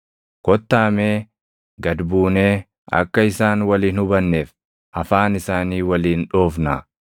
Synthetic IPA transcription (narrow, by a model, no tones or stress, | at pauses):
kɔt̪ːaːmeː | ɡɐd̪buːneː | ɐ̰kːɐɪsaːnwɐliːnhʊbɐnːeːf | ʔɐfaːnɪsaːniːwɐliːnᶑo̞ːfnɐ